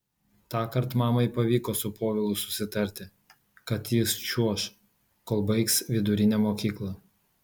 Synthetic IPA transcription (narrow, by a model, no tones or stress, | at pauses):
t̪ɑːkɐɾt̪mɑːmɐɪpɐʋʲiːkoːsʊpoːʋʲɪlˠʊsʊ̥sʲɪt̪ɐɾʲt̪ʲɪ | kɐt̪jɪst͡ʃʲuɔʃ | koːlˠbɐɪksʋʲɪd̪ʊɾʲɪnʲɛmoːkʲiːklˠɐ